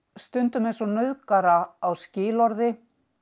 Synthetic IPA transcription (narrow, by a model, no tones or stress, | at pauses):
st̪ʏnt̪ʏmejnsɔnœðkaɾaːwscɪːlɔɾðɪ